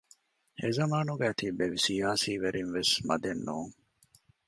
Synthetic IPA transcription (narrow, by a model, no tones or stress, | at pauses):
ezɐmaːnuɡeɐt̪ibeʋisijaːsiːʋeɾʔinʋesmɐ̰d̪enːoːŋ